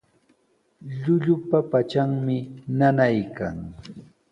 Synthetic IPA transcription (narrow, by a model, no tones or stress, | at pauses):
ʎʊʎʊpapat͡ʃaŋmɪnanajka̰ŋ